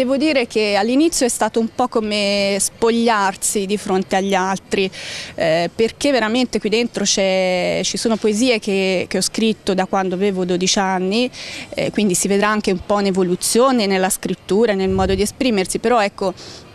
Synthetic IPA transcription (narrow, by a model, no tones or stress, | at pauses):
d̪ɛːvod̪iːɾekealːinit̪sːjoɛst̪aːt̪oumpɔkːomespoʎːarsid̪ifɾont̪eaʎːalt̪ɾi | perk̟evːeɾament̪ekwid̪ent̪ɾot͡ʃɛt͡ʃisoːnopoeziːek̟ek̟eɔskɾit̪ːod̪akːwand̪oaveːvod̪od̪it͡ʃanːiɛ̰kwind̪isived̪ɾaaŋk̟eumpɔinevolut̪sːjoːnenelːaskɾit̪ːuːɾanelmɔːd̪od̪iespɾiːmersipeɾɔɛkːo